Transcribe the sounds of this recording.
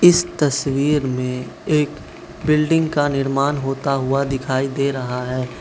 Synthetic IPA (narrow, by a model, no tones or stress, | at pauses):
ɪst̪ɐswiːɾmẽeːk | bɪlɖɪ̃ŋɡkanɪɾmaːnɦoːt̪aɦʊad̪ɪkʰaːid̪eːɾɐɦaɦɛː